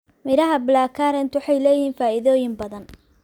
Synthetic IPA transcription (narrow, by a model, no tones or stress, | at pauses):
mɪɾɐɦɐbɪlaːkʰaɾɛnt̪wʊħɑjlɛːjɦiːnfaːʔɪðɔːjɪmbɐðɐn